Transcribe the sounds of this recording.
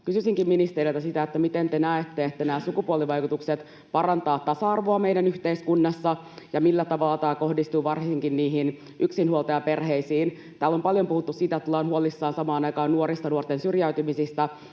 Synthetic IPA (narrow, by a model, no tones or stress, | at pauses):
kysysiŋkimminist̪erilt̪ɑsit̪æet̪ːæmit̪ent̪enæet̪ːeet̪ːænæːsukupuoliʋɑjkut̪ukset̪ | pɑɾɑnt̪ɑːt̪tːɑsɑɑrʋoɑmejdænyçt̪eiskunːɑsːɑ | jɑmilːæt̪ɑʋɑlːɑt̪æːko̞hdist̪uʋɑrsiŋkinniːɦin | ʔyksinhuolt̪ɑjɑpe̞rheisiːn | t̪æːlːo̞mpɑljo̞mpuhut̪ːusiːt̪æet̪ːlɑːnhuolisːɑːnsɑmɑːnɑjkɑːnnuoɾist̪ɑnuort̪ensyrjæyt̪ymisist̪æ